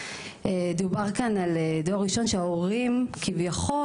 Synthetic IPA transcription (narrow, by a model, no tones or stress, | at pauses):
ed̪ubaʁkanaledoaʁːiʃo̞nʃeaoʁimkʰivjaχo